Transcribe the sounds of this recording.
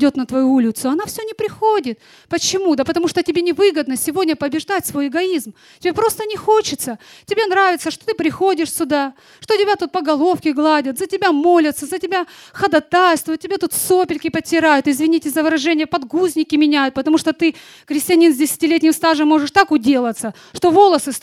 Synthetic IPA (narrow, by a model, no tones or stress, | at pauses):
dʲo̞t̪nət̪vɐjuulʲɪt̪sʊɐnafsʲɵnʲɪpɾʲɪxodʲɪt̪ | pət͡ɕɪmud̪əpət̪ɐmuʂt̪otʲɪbʲenʲɪvɨɡəd̪nəsʲɪvo̞dʲnʲəpəbʲɪʐd̪atʲsvo̞jɪɡɐizm | tʲɪbʲepɾo̞st̪ənʲɪxot͡ɕɪt̪sətʲɪbʲenɾavʲɪt̪səʂt̪ot̪ɨpɾʲɪxo̞dʲɪʂsʲʊd̪a | ʂt̪otʲɪbʲat̪ut̪̚pəɡɐlˠo̞fkʲɪɡlˠadʲət̪zətʲɪbʲamo̞lʲɪt̪səzətʲɪbʲaxəd̪ɐt̪ajst̪vʊjt̪tʲɪbʲet̪ut̪sopʲɪlʲkʲɪpətʲːɪɾajʊt̪ɪzvʲɪnʲitʲɪzəvɨɾɐʐɛnʲɪjəpɐd̪ɡuzʲnʲɪkʲɪmʲɪnʲæjʊt̪̚pət̪ɐmuʂt̪ot̪ɨ | xɾʲɪsʲtʲɪɐnʲinzʲdʲɪsʲɪ̥tʲɪlʲetʲnʲɪmst̪aʐɨmːo̞ʐɨʂt̪akʊdʲe̞lˠət̪sə | ʂt̪o̞vo̞lˠəsɨs